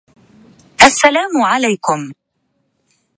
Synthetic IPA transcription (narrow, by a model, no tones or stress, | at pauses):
ʔasːalaːmʊʕalajkʊm